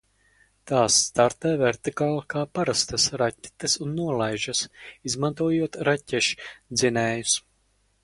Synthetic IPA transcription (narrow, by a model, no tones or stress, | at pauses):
t̪aːsːt̪aɾt̪ɛːvɛɾt̪ikaːlˠkaːpaɾast̪asɾatʲːi̥t̪ɐsunːuɔlˠajʒasizmant̪uɔjuɔt̪ɾatʲːɛʃd̪zinɛːjus